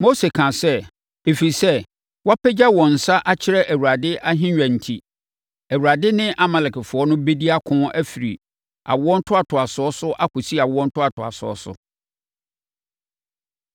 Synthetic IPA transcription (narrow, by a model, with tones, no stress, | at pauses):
mo˦se˨kʰã˨sɛ˦ | e˨fi˨ɾi˨sɛ˦ | wa˦pʰɛ˦d͡ʑa˦wɔ̃˨n̩˨sa˦ʔa˦t͡ɕʰɪ˦ɾɛ˦ʔæ˨wu˨ɾa˨dɪ˦ʔa˦ɦɪ̃˦ɥᶣæ̃˨n̩˨tʰi˨ | æ˨wu˨ɾa˨dɪ˦nɪ̃˦ʔa˦˨mɛ˨lɛ˨kɪ˨fʊ˨ɔ˦nʊ̃˦be˦di˦a˦kʰʊ̃˦æ˦fi˨ɾi˨ | a̰˨wʊ˦ɔ˦n̩˦tʰʊ˦a˨tʰʊ˨a˨sʊ˨ɔ˦sʊ˦ʔa˦kʊ˨si˦a˨wʊ˨˦ɔ̃˦n̩˦tʰʊ˦a˨tʰʊ˨a̰˨sʊ˨ɔ̰˦sʊ̰˨